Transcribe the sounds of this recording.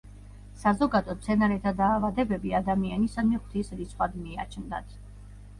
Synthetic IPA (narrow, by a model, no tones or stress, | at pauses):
sazɔɡad̪ɔt̪sʰɛnaɾɛt̪ʰad̪aːvad̪ɛbɛbiad̪amianisad̪mɛχwt̪ʰisɾit̪sʰχwad̪mia̰t͡ʃʰnd̪a̰t̪ʰ